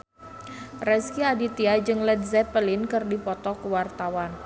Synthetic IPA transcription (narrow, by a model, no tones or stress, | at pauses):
rɛskiadit̪iad͡ʒɨŋlɛt̪̚zɛpəlɪnkɨrdipɔt̪ɔkəwart̪awan